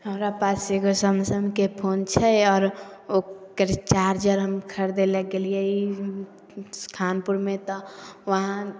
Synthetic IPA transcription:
ɦəmɾapaːsekosəmsəmkepʰoːnt͡ʃʰɛɔːɾokəɾt͡ʃaːɾd͡ʒəɾɦəmkʰəɾd̪eleɡeliei | skʰaːnpuɾmẽt̪ɔʋəɦã

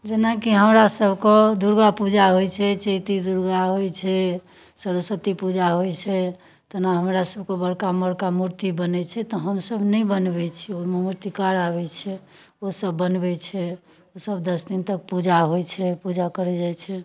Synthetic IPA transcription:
d͡ʒenakiɦəmɾasəbʱkɔd̪uɾɡapud͡ʒaɦojt͡ʃʰɛt͡ʃəjt̪id̪uɾɡaɦojt͡ʃʰɛ | səɾosət̪ipud͡ʒaɦojt͡ʃʰɛ | t̪enaɦəmɾasəb̚ʱkebəɽkaməɽkamuɾt̪ibənɛt͡ʃʰɛt̪ɔɦəmsəbʱnɛjbənbɛt͡ʃʰiomemuɾt̪ikaɾaβɛt͡ʃʰɛ | osəbːənbɛt͡ʃʰɛ | osəbd̪əsd̪int̪ək̚pud͡ʒaɦojt͡ʃʰɛpud͡ʒakəɾɛd͡ʒajt͡ʃʰɛ

